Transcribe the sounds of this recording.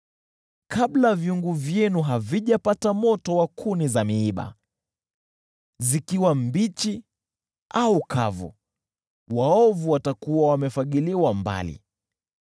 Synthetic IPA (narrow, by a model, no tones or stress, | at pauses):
kablavjuŋɡuvjɛnuɦaviʄapatamɔtɔwakʰunizamiiɓa̰ | zikiwambit͡ʃi | auka̰vṵ | waɔvuwatakuwawamɛfaɠiliwamba̰lḭ